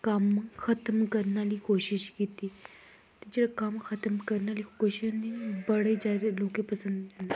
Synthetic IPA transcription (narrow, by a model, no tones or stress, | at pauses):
kamxʰɐt̪əmkəɾnaliːkoɕiɕkit̪iː | t̪it͡ɕilkamxʰɐt̪əmkəɾnaliːkoɕinibəɽed͡ʑaɾelokepəsənd̪